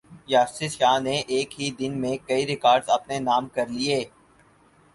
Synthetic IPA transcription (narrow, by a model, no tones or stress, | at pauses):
jaːsɪsʃaːneʔeːkɦid̪ɪnmẽkɐiɾɪkaːɾɖzɐpnenaːmkɐɾlieː